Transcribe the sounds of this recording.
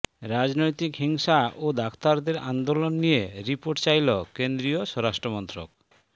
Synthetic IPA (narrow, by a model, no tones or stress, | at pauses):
ɾad͡ʑnojt̪ikɦiŋʃaod̪akʰt̪aɾd̪eɾand̪olonːijeɾipoɾʈt͡ɕajlokend̪ɾijoʃɔɾaʃʈɾomɔnt̪ɾo̰k